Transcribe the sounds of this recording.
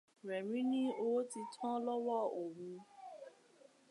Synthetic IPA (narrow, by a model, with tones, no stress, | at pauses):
ɾɛ˨mĩ˦nĩ˦o˧wo˦ti˧tʰɔ̃˦lɔ˦wɔ˦o˨wũ˧